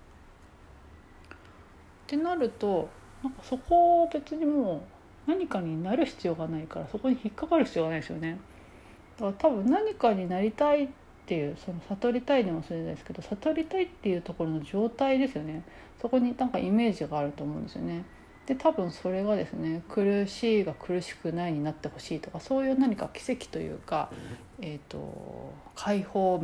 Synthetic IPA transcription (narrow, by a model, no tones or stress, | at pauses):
t̪e̞naɾɯ̟t̪o̞ | nãŋkaso̞ko̞abe̞t͡sɨɲ̟imo̞ː | naɲ̟ikaɲ̟inaɾɯ̟çi̥t͡sɨjo̞ːɡanaikaɾaso̞ko̞ɲ̟içikːakaɾɯ̟ç̥i̥t͡sɨoɡanaid̪esɨjone̞ | d̪̥akaɾat̪abɯ̟̃nːaɲ̟ikaɲ̟inaɾʲit̪ai | t̪ːe̞jɯ̟ːso̞no̞sat̪o̞ɾʲit̪ainomasoɾend̪esɨ̥ke̞d̪o̞sat̪o̞ɾʲit̪ait̪ːe̞jɯ̟ːt̪o̞ko̞ɾo̞no̞ʑo̞ːt̪aid̪e̞sɨjo̞ne̞ | so̞ko̞ɲ̟inãŋkaʔime̞ːʑiɡaːɾɯ̟t̪o̞ːmo̞ɯ̃nd̪esɨjo̞̰ne̞ | d̪̥e̞t̪abɯ̟̃ɰ̃so̞ɾe̞ɡad̪e̞sɨne̞kʰɯ̟ɾɯ̟ɕiːɡakɯ̟ɾɯ̟ɕi̥kɯ̟naiɲ̟inat̪ːe̞ho̞ɕiːt̪o̞kaso̞ːjɯ̟ːnaɲ̟ikakʲi̥se̞kʲi̥t̪o̞jɯ̰ːka | et̪ːo̞̰ | kʰaiho̞ː